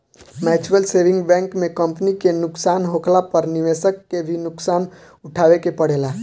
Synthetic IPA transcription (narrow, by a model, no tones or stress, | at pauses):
mɛːt͡ʃuɾəlseːʋɪ̃ŋɡbɛ̃ːŋkmẽkə̃mpnikenʊksaːnɦokʰlapəɾniʋeːsəkːebʱinʊksaːn | ʊʈʰaːwekepəɽeːla